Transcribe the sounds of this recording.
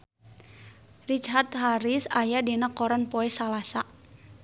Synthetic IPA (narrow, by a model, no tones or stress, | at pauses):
rit͡ʃɦat̪ɦaɾisajadinakɔɾanpoɛsalasaʔ